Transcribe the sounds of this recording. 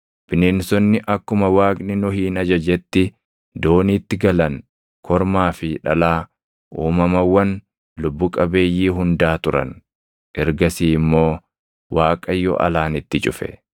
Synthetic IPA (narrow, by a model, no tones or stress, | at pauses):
b̥ɪnɪnsɔnːɪʔɐkːʊmɐwaːkʼnɪnɔhiːnɐd͡ʒɐd͡ʒɛt̪ːɪ | d̪o̞ːniːt̪ːɪɡɐlɐn | kʰɔɾmaːfɪᶑɐlaː | ʔuːmɐmɐwːɐn | lʊbːʊkʼɐbe̞ːjːiːɦʊnd̪aːt̪ʊɾɐ̰n | ʔɛɾɡɐsiːmːo̞ː | waːkʼɐjːɔ̰ʔɐ̰laːnɪt̪ːɪt͡ʃʼʊfɛ̰